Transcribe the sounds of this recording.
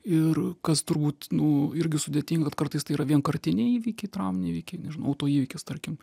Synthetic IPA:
ɪrkɐst̪ʊɾbuːt̪nʊɪɾʲɡʲɪsʊd̪ʲet̪ʲiːŋɡɐkɐt̪kɐrt̪ɐɪst̪ɐɪiːɾɐʋʲiɛnkɐɾʲt̪ʲɪnʲeiːʋʲiːkʲɛɪt̪ɾɐʊmʲnʲiːʋʲiːkʲɛɪnʲɛʒʲɪnoʊɐʊt̪oːiːʋʲɪkʲɪst̪ɐɾʲkʲɪm

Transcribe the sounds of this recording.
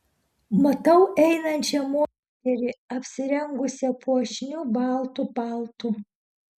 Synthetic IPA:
mɐt̪ɐʊʔɛɪnɐnʲt͡ʃʲɛmoː | t̪ʲɛɾʲɪɐpʲsʲɪɾʲɛŋɡʊsʲɛpuɔʃʲnʲuːbɑˑlˠt̪upɑˑlˠt̪u

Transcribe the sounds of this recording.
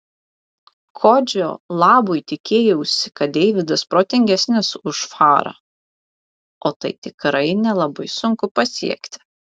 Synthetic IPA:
kʰoːd͡ʒʲo̰ːlˠɑːboɪt̪ʲɪkʲeːjɛʊʃsʲɪ̥kɐt̪̚d̪ʲɛɪʋʲɪd̪ɐspɾoːt̪ʲɪŋʲɡʲɛsʲnʲɪsʊʃfɑːɾɐ̰ː | oːt̪ɐɪt̪ʲɪkɾɐɪnʲɛlˠɐbɐɪsʊŋkʊpɐsʲḭɛkt̪ʲɪ̥

